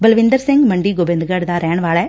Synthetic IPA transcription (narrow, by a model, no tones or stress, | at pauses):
bɐlʋɪnd̪ɐɾseŋɡmɐɳɖiɡobend̪ɯɡaːɽd̪aːɾeːɳʋaːɭɐ